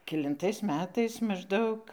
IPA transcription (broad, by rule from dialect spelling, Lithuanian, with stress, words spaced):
kʲɛlʲɪnˈtɐɪs ˈmʲæːtɐɪs mɐʒˈdɐʊk